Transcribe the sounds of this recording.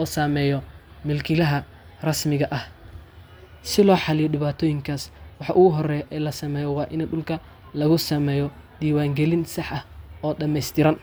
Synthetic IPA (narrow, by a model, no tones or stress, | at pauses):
ɔːsaːmɛːjɔ | mɪlkʰɪlɐɦɐ | rɐsmɪɣɐʔɐh | sɪlɔːħɑlɪjɔɗɪβaːt̪ʰɔːjɪŋkʰaːswɑħɑʔʊɣʊɦɔrɛjʔɛlɐsɐmɛːjɔwɑːʔɪnɛɖʊlkʰɐ | lɐɣʊsɐmɛːjɔd̪̥iːwaːŋɡɛlɪnsɑħʔɐhɔːɖɐmɛjst̪ʰɪɾɐn